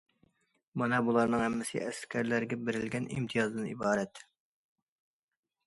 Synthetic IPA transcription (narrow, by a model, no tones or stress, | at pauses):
mɑnɑbulˠɑɾnɨŋhɛmːɪsɪ̰ʔɛskʲʰæɾlæɾɡʲɛbɪɾɪlɡʲɛnʔḭmt̪ʰijɑzd̪ɨnḭbɑːɾɛt̪